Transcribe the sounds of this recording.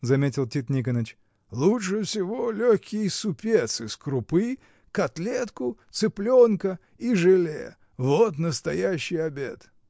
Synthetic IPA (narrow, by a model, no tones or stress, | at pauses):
zɐmʲetʲɪlˠtʲit̪nʲik̬ənət͡ɕ | lˠuʂəfsʲɪvolʲoçʲkʲɪjəsʊpʲet̪sɨskɾʊpɨ | kɐt̪lʲet̪kʊt̪sɨplʲonkə | iʐɨlʲḛ | vot̪nəst̪ɐjæɕːɪjɐbʲḛt̪